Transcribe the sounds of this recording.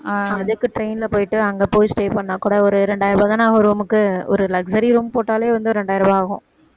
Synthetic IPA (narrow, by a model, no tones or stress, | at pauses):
ɐðɯkːɯʈɾeɪnɪlɐpoːjɪʈːɯɐŋɡɐpoːjsʈeːpɐɳːɐkːuːɽɐɔɾɯɾɛɳɖaːjɪɾɐbaːðãːnaːɣɐɾɯɾuːmɯkːɯɔ̰ɾɯlɐɡsɐɾiɾuːmpoːʈːaːleːʋɐnd̪ɯɾɛɳɖaːjɪɾɐbaːɣʊ̰̃